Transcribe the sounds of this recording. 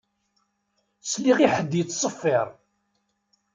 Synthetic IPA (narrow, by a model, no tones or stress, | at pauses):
sliʁiħəd̪ːjət͡sːsˤəfːɪɾˤ